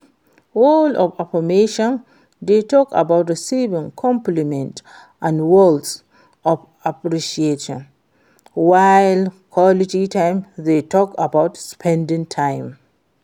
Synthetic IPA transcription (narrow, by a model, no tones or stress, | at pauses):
wolɔfafɔmeʃɔ̃n | detɔka̰baʊtəsivĩŋkʰɔ̃mplimɛ̃nt | ʔãnwɔlds | ɔv | apɹiʃieʃɔ̰̃n | waɪlkʰwɔlititʰãɪ̃mðetʰɔkabaʊtspʰɛ̃ndĩŋtʰãɪ̃m